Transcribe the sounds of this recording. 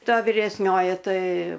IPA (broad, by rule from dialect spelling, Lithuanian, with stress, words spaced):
ˈtɐ ʋʲɪrʲɛsʲˈnʲoːjɪ ˈtɐɪ